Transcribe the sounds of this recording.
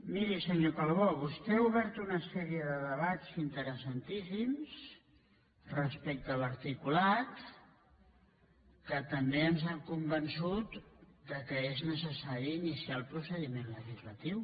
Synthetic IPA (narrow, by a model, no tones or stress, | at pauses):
miɾisəɲokalˠβoβust̪ɛuβɛɾt̪unəsɛɾiəðəðəβazint̪əɾəsənt̪isims | rəspɛk̚t̪ələɾt̪ikulat̪ | kət̪əmbeəmzaŋkumbənsut̪d̪əkəeznəsəsaɾiːnisialˠpɾusəðimenləʒizlət̪iw